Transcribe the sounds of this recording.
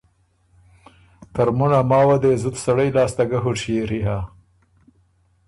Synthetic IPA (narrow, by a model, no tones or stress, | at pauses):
t̪aɾmunamɑːwad̪eːzut̪sɐɽajlɑːst̪aɡaɦuʂieɾiɦa